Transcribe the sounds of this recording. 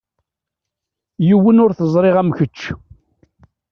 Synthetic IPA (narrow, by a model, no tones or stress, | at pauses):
jiwːənʊɾθəzˤɾˤɪʁæmçət͡ʃː